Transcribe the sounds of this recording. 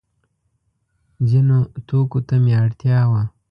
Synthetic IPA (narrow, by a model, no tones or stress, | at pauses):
zinot̪oːkot̪ameaɽt̪jaːwa